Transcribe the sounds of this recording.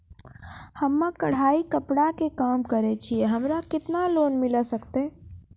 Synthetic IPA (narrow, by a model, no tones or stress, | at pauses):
həmːãkɐɽ̤aːikəpɽakekaːmkəɾet͡ʃʰieɦɐmɾakɪt̪naloːnmɪlasəkt̪eː